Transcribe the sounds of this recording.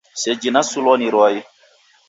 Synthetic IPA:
sed͡ʒinãsulɔnĩɾɔje

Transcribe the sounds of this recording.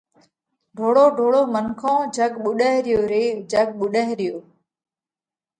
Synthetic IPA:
ɖʱoːɽoːɖʱoːɽoːmənkʰõːd͡ʒəɠɓʊɗəɦɾɪjoːɾeːd͡ʒəɠ̚ɓʊɗəɦɾɪjoː

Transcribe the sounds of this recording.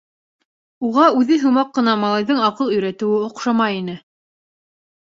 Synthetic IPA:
uʁɑʉðɘɦɤ̆mɑqːɤ̆nɑmɑlˠɑjðɤɴɑqɤlˠɵ̆jɾæt̪ɘ̆wɘŏqʃɑmɑjinɘ

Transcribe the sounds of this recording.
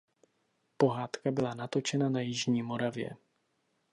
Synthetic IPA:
po̞ɦaːt̪kabɪlanat̪o̞t͡ʃɛnanajɪʒɲiːmo̞ɾavjɛ̰

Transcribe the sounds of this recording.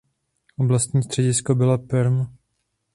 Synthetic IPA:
ʔoblast̪ɲiːst̪r̝̥ɛɟɪskobɪlapɪɾm

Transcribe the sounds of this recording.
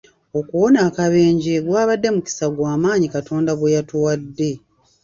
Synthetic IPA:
o̞kuwo̞naːkaβe̞ːɲɟeɡwaːβadːe̞muki̥saɡwaːmaːɲikato̞ːndaɡwejatuwadːe̞

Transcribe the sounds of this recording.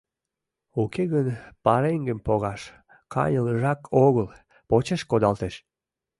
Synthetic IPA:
ukeɣənpɑɾeŋɡəmpoɣɑʃ | kʰɑ̰jəlʒɑkʰoɣəl | pot͡ɕeʃkod̪ɑlt̪eʃ

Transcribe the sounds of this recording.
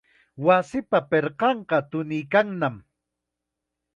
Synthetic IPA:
wasɪpapeɾqɑɴqɑt̪ʊnɪjkaŋnam

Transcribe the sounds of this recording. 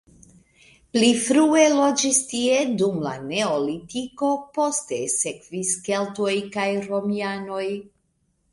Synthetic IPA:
plifɾue̞lo̞d͡ʒistie̞dumla̰ne̞olitiko̞po̞ste̞se̞kviske̞lto̞jkajɾo̞miano̞j

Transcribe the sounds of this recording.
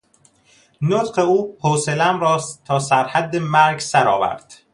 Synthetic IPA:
not̪ɢe̞uːhoːselæmɾɒːst̪ʰɒːsæɾhæd̪ːemæɾɡsæɾɒ̰ːvæ̰ɾd̪̥

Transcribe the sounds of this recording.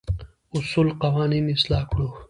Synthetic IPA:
ʊsuːlqawɑːninislɑːkɽu

